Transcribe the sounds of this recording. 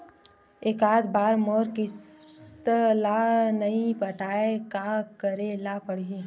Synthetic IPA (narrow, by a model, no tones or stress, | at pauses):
eːkaːd̪baːɾmoːɾkit̪əlanɐĩpəʈʰaːekakəɾelaːpɐɽiɦẽː